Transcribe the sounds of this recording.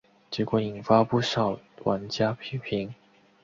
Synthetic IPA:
t͡ɕjɛ˧˥kwɔ˧˩i˨˩nfa˥pu˥˩ʂɑ˨˩ʊ | wʔa˧˥nt͡ɕja˥pʰi˧˥pʰi˧˥ŋ

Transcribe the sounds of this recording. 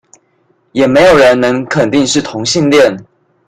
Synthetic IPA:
jɛ˨˩me˧˥ɪjo˨˩ʊɻə˧˦nnə˧˥ŋkʰə˨˩nt̪i˥˧ŋʂɻ̩˥˩t̪ʰʊ˧˥ŋɕi˥˧nljɛ˥˨n

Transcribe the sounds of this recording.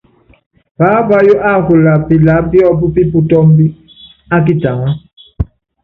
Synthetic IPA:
pa˨˦va˦jo˦ʔa˦˨ku˨la˨pi˨la˨˦bi˦ɔ˦bu˦pi˦pu˦tɔ˦mbi˦ | a˦k̬i˦ta˨ŋa˦

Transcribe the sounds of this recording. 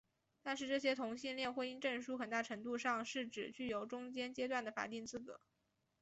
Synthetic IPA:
t̪a˥˧nʂɻ̩˥˧ʈ͡ʂɤ˥˩ɕjɛ˥t̪ʰʊ˧˥ŋɕi˥˧nljɛ˥˧nxwe˥˧ɪi˥nʈ͡ʂɤ˥˩ŋʂu˥xə˨˩nt̪a˥˩ʈ͡ʂʰɤ˧˥ŋt̪u˥˧ʂɑ˥˧ŋʂɻ̩˥˩ʈ͡ʂɻ̩˨˩t͡ɕy˥˩jo˧˥ʊʈ͡ʂʊ˥ŋt͡ɕjɛ˥nt͡ɕjɛ˥t̪wa˥˩nd̪ə˩fa̰˨˩t̪i˥˧ŋt͡sɹ̩˥˩kɤ̰˧˥˦

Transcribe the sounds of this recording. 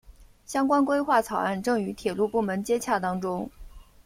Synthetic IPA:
ɕjɑ˥ŋkwa˥nkwe˥ɪxwa˥˩t͡sʰɑ˨˩ʊa˥˧nʈ͡ʂɤ˥˩ŋy˧˥t̪ʰjɛ˨˩lu˥˧pu˥˩mə˧˥nt͡ɕjɛ˥t͡ɕʰja˥˩t̪ɑ˥ŋʈ͡ʂʊ˥ŋ

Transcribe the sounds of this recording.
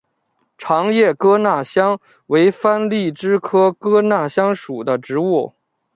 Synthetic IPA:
ʈ͡ʂʰɑ˧˥ŋjɛ˥˩kɤ˥na˥˩ɕjɑ˥ŋ | we˧˥ɪfa˥nli˥˩ʈ͡ʂɻ̩˥kʰɤ˥kɤ˥na˥˩ɕjɑ˥ŋʂu˨˩d̪ə˦ʈ͡ʂɻ̩˧˥u˥˩

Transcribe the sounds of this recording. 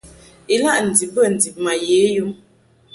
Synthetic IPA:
i˨la˦ʔn̩˨di˨bə˦˨n̩˨di˨p̚ma˨je˨˦ju˦m

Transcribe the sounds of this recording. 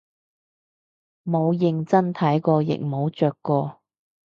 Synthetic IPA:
mo˨˧wjɪ˧ŋt͡sɐ˥nt̪ʰɐ˨˥jkɔː˧jɪ̰˨k̚mo˨˧wt͡ʃœː˨kːɔː˧

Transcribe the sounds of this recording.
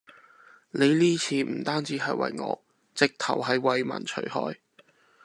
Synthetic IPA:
ne˨˧jliː˥t͡sʰiː˨˧m̩˨˩t̪aː˥nt͡siː˨˥ɦɐ˨˧jwɐ̰˧jŋɔ̰ː˧ | t͡sɪ˨k̚t̪ʰɐ˨˩wɦɐ˨jwɐ˧jmɐ̰ː˨˩nt͡ʃʰɵ̰˨˩ɥhɔ̰ː˥j

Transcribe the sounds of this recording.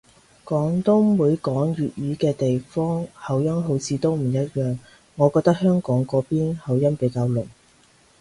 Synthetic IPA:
kɔː˨˥ŋt̪ʊ˥ŋwuː˨˥jkɔː˨˥ŋɥyː˨t̚jyː˨˧kɛː˧t̪e˨jfɔː˥ŋhɐ˨˩wjɐ˥nɦo˨˥wt͡sʰiː˨˧t̪o˥wm̩˨˩jɐ˥t̚jœː˨ŋ | ŋɔː˨˧kɔː˧k̚t̪ɐ˥k̚hœː˥ŋkɔː˨˥ŋkɔː˨˧piː˥nhɐ˨wjɐ˥npe˨˥jkaː˧wlɵ˨˩ŋ

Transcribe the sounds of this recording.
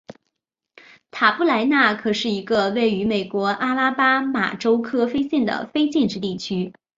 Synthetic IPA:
t̪ʰa˨˩pu˥˩la˧˥ɪna˥˩kʰɤ˨˩ʂɻ̩˥˩i˧˥ɡə˧we˥˩ɪy˧˥me˨˩ɪkwɔ˧˥ʔa˥la˥pa˥ma̰˨˩ʈ͡ʂo˥ʊkʰɤ˥fe˥ɪɕi˥˩nd̪ə̰˩fe˥ɪt͡ɕi˥˧nʈ͡ʂɻ̩˥˧t̪i˥˩t͡ɕʰy˥

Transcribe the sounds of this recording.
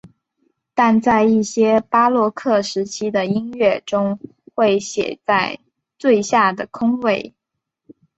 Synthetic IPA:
t̪a˥˧nt͡sa˥˧ɪi˥˩ɕjɛ˥pa˥lwɔ˥˧kʰɤ˥˩ʂɻ̩˧˥t͡ɕʰi˥d̪ə˨i˥nɥɛ˥˩ʈ͡ʂʊ˥ŋ | xwe˥˩ɪɕjɛ̰˨˩t͡sa˥˧ɪ | t̪we˥˧ɪɕja˥˩d̪ə˩kʰʊ˥ŋwe˥˩ɪ

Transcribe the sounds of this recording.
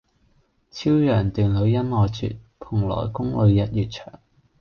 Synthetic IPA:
t͡sʰiː˥wjœː˨˩ŋt̪yː˨nlɵ˨˧˥ɥjɐ˥nɔː˨jt͡sʰy̰˨t̚pʰʊ˨˩ŋlɔ̰ː˨˩jkʊ˥ŋlɵ˨˧ɥjɐ˨t̚jyː˨t̚t͡ʃʰœ̰ː˨˩ŋ

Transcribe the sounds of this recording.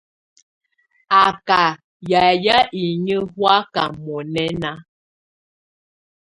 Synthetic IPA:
a˨ka˨ | ja˨ja˦ʔi˨ɲə˦hwa˦ka˨mɔ˨nɛ˦na˦

